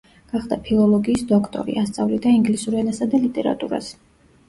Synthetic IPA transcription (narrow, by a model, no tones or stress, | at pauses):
ɡ̥aχd̪apʰilˠɔlˠɔɡiːsd̪ɔkʰt̪ʼɔ̰ɾḭast̪sʼavlid̪aiŋɡlisuɾɛnasad̪alit̪ʼɛɾa̰t̪ʼuɾa̰s